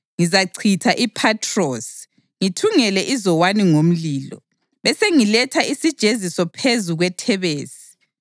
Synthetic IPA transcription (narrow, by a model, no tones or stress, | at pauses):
ŋizaǀʰitʰaʔipʰatʰrɔs | ŋitʰuŋɛlɛʔizɔwaniŋom̩liːlɔ̰ | βɛseŋilɛtʰaisid̥ʒ̥ʱezisɔpʰezuɣwɛtʰɛβeːsi̥